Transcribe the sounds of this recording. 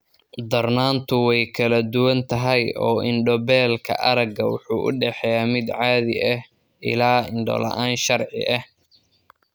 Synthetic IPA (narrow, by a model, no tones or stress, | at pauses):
d̪ɐrnaːnt̪ʰʊwɛjkʰɐlɐd̪ʊwɐnt̪ʰɐɦɛjɔ̰ːɪnɖɔbɛːlkʰɐ̰ʔɐɾɐɡɐwʊħuːʔʊ̰ɖɛħɛjaːmɪd̪ʕaːðɪ̰ʔɐh | ʔɪ̰laːɪɳɖɔ̰lɐ̰ʔaːnʃɐrʕɪ̰ʔɐh